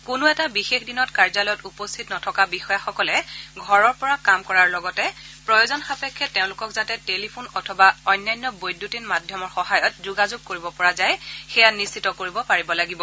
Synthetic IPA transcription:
kʊnʊɛtabixexdinɔtkaɹzalɔjɔtupɔstʰitnɔtʰɔkabixɔjaxɔkɔlɛɡʱɔɹɔɹpɔɹakamkɔɹaɹlɔɡɔtɛpɹɔjozɔnxapɛkʰːɛtːeʊ̃lʊkɔkzatɛtelipʰunɔtʰɔbaɔjnːajnːɔbojdʱːutinmadʱjɔmɔɹxɔɦajɔt̚zuɡazuɡ̚koɹibɔpɔɹazajxɛjanisːitɔkoɹibɔpaɹibɔlaɡibɔ

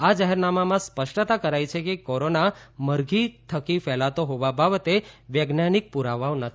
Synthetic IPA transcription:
ad͡ʒaɦɛɾnamamãspəʃʈət̪akəɾajt͡ʃʰekekoɾonaməɾɡit̪ʰəkifɛlat̪oɦoʋabʱabət̪eʋjeɡnanik̚puɾaʋaonət̪ʰ

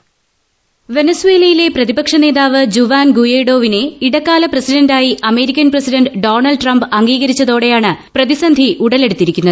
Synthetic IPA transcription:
ʋe̞nɐsuwe̞ːlɐjile̞prɐðibɐkʂɐne̞ːðaːʋɨd͡ʑuʋaːnɡujeːɽo̞ːʋine̞iɽɐkːaːlɐprɐsiɖɐndaːjiʔɐme̞ːɾikʲːɐnprɐsiɖɐnɖɖo̞ːɳɐlɖʈrɐmbɐŋɡiːɣɐɾit͡ɕːɐðo̞ːɽe̞jaːɳɨprɐðisɐnd̪ʱiʔuɽɐle̞ɽut̪ːiɾikʲːunːɐðɨ

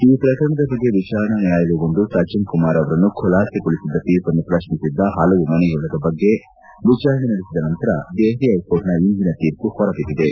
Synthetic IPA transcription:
iːpɾɐkɐɾɐɳɐd̪ɐbɐɡːeʋit͡ʃaːɾɐnɐnjaːjɐluɡond̪usaːt͡ʃɐnkumaːɾɐʋɐɾɐnːukʰɔlaːsekuɭisid̪ːɐpiːpɐnːupɾɐʂmisid̪ːɐɦɐlɐʋumɐnɛjuɭɐd̪ɐbɐɡːe̞ | ʋit͡ʃaːɾɐnenɐɽisid̪ɐnɐnt̪ɐɾɐd̪eːɦɾiɐjpoːʈnɐind̪inɐt̪iːɾkuhɔɾɐpid̪id̪e

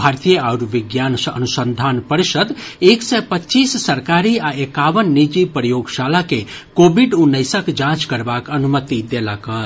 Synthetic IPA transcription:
bʱaɾt̪ijəaʊɾʋiɡjansə̰nusənd̪ʱanpəɾisəd̪eksɛpətːt͡ʃisːəɾkaɾiaekaʋənːid͡ʒipɾəjoɡsalake | kobʱiɖunːəjsəkd͡ʒãt͡ʃkəɾbakənumət̪id̪elakə

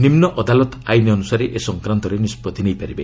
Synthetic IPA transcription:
nimnɔʔɔd̪alɔt̪ajniɔnusaɾeʔesɔŋkɾant̪ɔɾenispɔd̪ʱinejpaɾibe

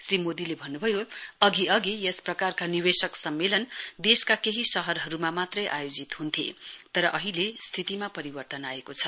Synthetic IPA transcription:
srimod̪ilebʱʌnːubʱʌjoʌɡiʌɡijesprʌkarkaniβesʌksʌmːelʌnd̪eskakeɦisʌɦʌrɦʌɾumamat̪rʌjʔajod͡zit̪ɦunt̪ʰḛt̪ʌɾʌʔʌɦilest̪ʰit̪imapʌɾibʌrt̪ʌnaekot͡sʰʌ̥

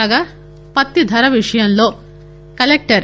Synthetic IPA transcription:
ɡa | pɐt̪ːid̪ʱɐɾɐʋiʂɐjɐnlo̞ː | kɐlek̚ʈɐɾ

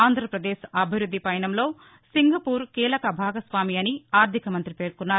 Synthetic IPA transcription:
aːnd̪ʱɾɐpɾɐd̪eːʃɐbʱiɾud̪ʱːipɐjɐnɐmlo̞ː | siŋɡɐpuːɾkiːlɐkɐbʱaːɡɐsʋaːmiɐniaːɾd̪ʱikɐmɐnt̪ɾipeːɾukunːaːu

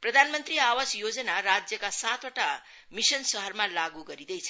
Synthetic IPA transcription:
prʌd̪ʱanmʌnt̪riawʌsjod͡zʌnaɾad͡zjʌkasat̪wʌʈa | misʌnsʌɦʌrmalaɡuɡʌɾid̪ʌjt͡sʰʌ̥

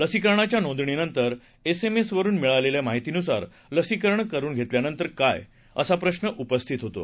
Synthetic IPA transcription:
ləsikəɾɳat͡ɕjanõnd̪ɳ̃inənt̪əɾ | esemesʋəɾuːnmiɭaleljamaɦit̪inusa̰ɾ | ləsikəɾɳkəɾuːnɡʱet̪ljanənt̪əɾka̰j | ə̰sapɾəɕnəʔupəst̪ʰit̪ɦot̪o̰

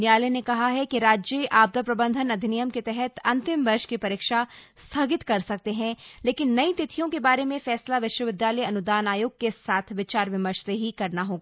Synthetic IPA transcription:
njaːlenekɐɦaɦɛkiɾaːd͡ʒjeʔaːb̚d̪əpɾɐbə̃nd̪ʱənɐd̪ʱɪnijəmket̪ɛɦɛt̪ɐ̃nt̪ɪmʋɐɾʃkipɐɾɪːkʃa | st̪ʰɐɡɪt̪kɐɾsɐk̚t̪eɦɛ̃leːkɪnːɐit̪ɪt̪ʰijõkebaːɾemẽfɛːslaʋɪʃwəʋɪd̪jaːləiɐnʊd̪aːnaːjoːɡ̚kesaːt̪ʰʋɪt͡ʃaːɾʋɪməɾʃt̪eɦikɐɾnaɦoːɡaː

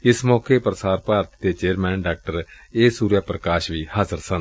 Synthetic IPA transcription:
ɪsmɔːkeːpɾəsaːɾpaːɾət̪d̪eːt͡ʃeːɾmɛːnɖaːk̚ʈəɾ | eːsuːɾjaːpɾəkaːʃʋiːhaːzəɾsən

